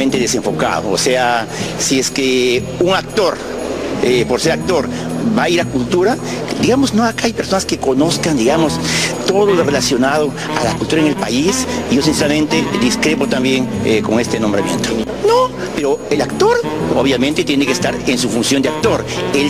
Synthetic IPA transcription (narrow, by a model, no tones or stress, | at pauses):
ent̪e̞ðese̞ɱfo̞ka̰ðo̰o̰seasieske | uŋak̚t̪o̞ɾ | epo̞ɾse̞ɾak̚t̪o̞ɾ | baiɾakult̪uɾa | d̪iɣamosno̞akaajpeɾso̞naske̞ko̞no̞skand̪iɣamost̪o̞ðolorelasjo̞nað̞o | alakult̪uɾaeŋelpaisiʝo̞sinseɾamẽ̞nt̪ed̪iskɾepo̞t̪ambje̞ŋeko̞ŋe̞st̪enõ̞mbɾamje̞̰nt̪o | no | peɾo̞elakt̪o̞ɾoβjame̞nt̪e̞t̪je̞nekest̪aɾensufunsjo̞nd̪eak̚t̪o̞ɾel